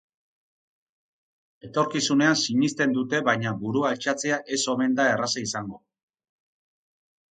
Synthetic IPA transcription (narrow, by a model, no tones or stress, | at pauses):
e̞t̪o̞ɾkisune̞ansiɲist̪e̞nd̪ut̪e̞βajɲabuɾualt͡ʃat͡se̞aʔe̞so̞me̞nd̪ae̞rasaisaŋɡo̞